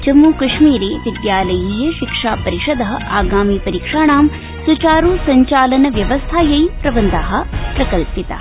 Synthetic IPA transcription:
t͡ʃɐmːuːkɐʂmiːɾeːʋid̪jaːlɐjiːjɐʃikʂaːpɐɾiʂɐd̪ʱɐɦɐʔaːɡaːmiːpɐɾikʂaːɳaːm | sut͡ʃaːɾuːsɐɲt͡ʃaːlɐnɐʋjɐʋɐst̪ʰaːjɐjpɾɐʋɐnd̪aɦɐ̆pɾɐkɐlpit̪ɐ̰

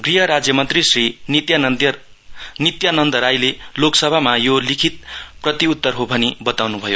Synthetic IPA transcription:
ɡriɦʌɾad͡zjʌmʌnt̪risrinit̪ja | nit̪janʌnd̪ʌɾajleloksʌbʱamajolikʰit̪̚prʌt̪iut̪ːʌrɦobʱʌnibʌt̪awnubʱʌjo

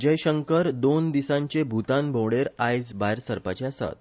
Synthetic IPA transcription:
d͡ʑəjɕəŋkəɾd̪ond̪isãɲt͡ɕebʱut̪ãnbʱowɽeɾajd͡zbajɾsəɾpa̰t͡ɕeasa̰t̪

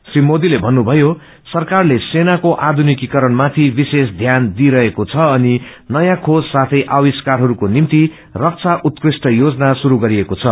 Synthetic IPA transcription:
srimod̪ilebʱʌnːubʱʌjo | sʌrkarlesenakoʔad̪ʱunikikʌɾʌnmat̪ʰibises̬d̪ʱjand̪iɾʌɦekot͡sʰʌːninʌjãkʰod͡zsat̪ʰʌjʔawiskarɦʌɾukonimt̪i | rʌk̚t͡sʰaʔut̪̚krisʈʌjod͡zʌnasuɾuɡʌɾiekot͡sʰʌ

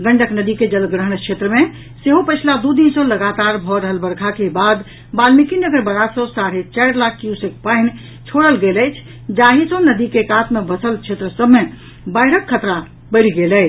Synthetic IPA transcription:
ɡəɳɖʱəknəd̪iked͡ʒəlɡɾəɦənkt͡ʃʰet̪ɾəme | seɦopəɪt͡ʃʰlad̪ud̪insə̃ləɡat̪aɾbʱɔɾəɦəlbəɾkʰakebad̪ | balmikinəɡəɾbəɽasə̃saɾet͡ʃəɾlakːjusek̚paɪn | t͡ʃʰoɽəlɡeləjt͡ʃʰ | d͡ʒaɦisə̃nəd̪ikekat̪mebəsəlt͡ʃʰet̪ɾəsəbme | bəɪɾəkʰːət̪ɾa | bəɾiɡelə

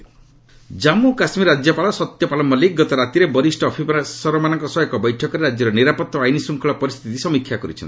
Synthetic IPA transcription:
d͡ʒamukasmiɾad͡ʒjɔpaɭɔsɔt̪jɔpalɔmɔliɡɔt̪ɔɾat̪iɾebɔɾisʈɔːpʰipsɔɾɔmanɔŋkɔsɔekɔbɔjʈʰɔkɔɾeɾad͡ʒjɔɾɔniɾapɔt̪ːɔajnisuŋkʰɔɭɔpɔɾist̪ʰit̪isɔmikʰːjakɔɾḭt͡ʃʰɔni

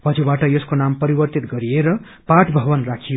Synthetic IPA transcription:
pʌd͡zobaʈʌjʌskonampʌɾibʌrt̪it̪ɡʌɾijeɾʌ | paʈʰbʱʌbʌnrakʰijo

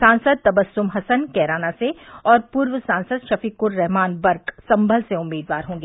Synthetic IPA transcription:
sãːnsəd̪̚t̪ɐbəsːʊmɦɐsənkɛːɾaːnaseɔːɾpuːɾʋəsãːnsəd̪ʃɐfiːkʊɾːɛɦmaːnbɐɾksɐ̃mbʱəlseʊmːiːd̪ʋaːɾɦõːŋɡeː

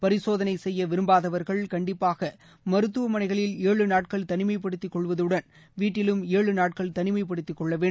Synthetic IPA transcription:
pɐɾɪsoːðɐnɐɪsɛjːɐʋɪɾɯmbaːðɐʋɐɾɣɐɭkɐɳɖɪpːaːɣɐ | mɐɾɯt̪ːɯʋɐmɐnɐɪɣɐɭɪleːɭɯnaːʈkɐɭt̪ɐnɪmɐɪpɐɽɯt̪ːɪkːɔɭʋɐðɯɽɐn | ʋiːʈːɪlɯmeːɭɯnaːʈ̚kɐɭt̪ɐnɪmɐɪpɐɽɯt̪ːɪkːɔɭːɐʋeː

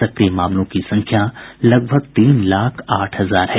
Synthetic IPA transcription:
ɐkɾiemaːmlõkisɐ̃ŋkʰjalɐɡ̚bʱəɡ̚t̪iːnlaːkʰaːʈʰɦɐzaːɾɦɛ

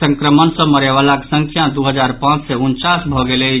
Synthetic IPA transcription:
ə̃ŋkɾəmənsə̃məɾeʋalaksə̃ŋkʰjad̪uɦəd͡ʒaɾpãt͡ʃseunt͡ʃasbʱɔɡele

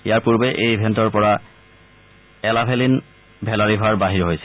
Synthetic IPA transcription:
ijaɹpuɹbeʔejbʱɛntɔɹpɔɹa | ɛlabʱelin | bʱɛlaɹibʱaɹbaɦiɹɦojsɛ

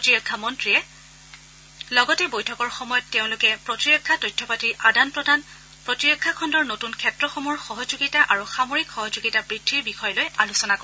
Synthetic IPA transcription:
otiɹɔkʰːamɔntɹiɛ | lɔɡɔtɛbojtʰɔkɔɹxɔmɔjɔtːeʊ̃lʊkɛpɹotiɹɔkʰːatojtʰːɔpatiɹʔadanpɹɔdʱan | pɹɔtiɹɔkʰːakʰɔndɔɹnotunkʰɛtɹɔxɔmɔɹxɔɦɔzuɡitaʔaɹuxamoɹikxɔɦɔzuɡitabɹidʱːiɹbixɔjɔlojalusɔnakɔɹɛ

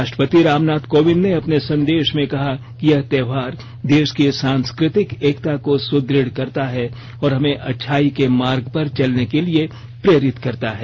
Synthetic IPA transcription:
aːʃʈɾəpət̪iɾaːmnaːt̪koːʋɪnːeɐpnesɐ̃nd̪eːʃmẽkɐɦakijɐɦt̪ɛːʋaːɾ | d̪eːʃkisãːnskɾɪt̪ɪkeːkt̪akosʊd̪ɾɪɽ̤kɐɾt̪aɦɛ | ɔːɾɦɐmẽʔɐtːʃʰaːikemaːɾɡpɐɾt͡ʃɐlnekelie | pɾeːɾɪt̪kɐɾt̪aɦɛː

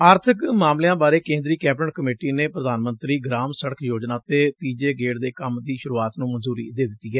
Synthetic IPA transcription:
aːɾt̪ʰəkmaːmljãːbaːɾeːkẽːnd̪ɾiːkɛːpʈəɳkəmeːʈiːneːpɾəd̪aːnmə̃nt̪ɾiːɡɾaːmsəɽəkʰjoːd͡ʒnãːt̪eːt̪iːd͡ʒeːɡeːʈd̪eːkəmd̪iːʃʊɾuːaːt̪nũːmənzuːɾḭːd̪eːd̪ɪt̪ːiːɛː

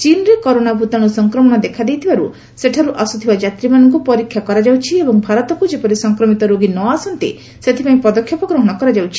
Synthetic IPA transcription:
t͡ʃinɾekɔɾonabʱut̪ɔɽ̃usɔŋkɾɔmɔɽ̃ɔd̪ekʰad̪ejt̪ʰibaɾu | seʈʰaɾuʔasut̪ʰibad͡ʒat̪ɾimanɔŋk̬upɔɾikʰjakɔɾad͡ʒawt͡ʃʰiebɔŋbʱaɾɔt̪ɔkud͡ʒepɔɾisɔŋkɾɔmit̪ɔɾoɡinɔasɔnt̪i | set̪ʰipaĩpɔd̪ɔkʰjɔpɔɡɾɔɦɔɽ̃ɔkɔɾad͡ʒawt͡ʃʰi̥

